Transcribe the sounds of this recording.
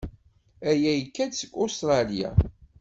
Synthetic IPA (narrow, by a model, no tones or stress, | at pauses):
æjæjəkːæd̪səɡʷost̪ɾˤɑlija̰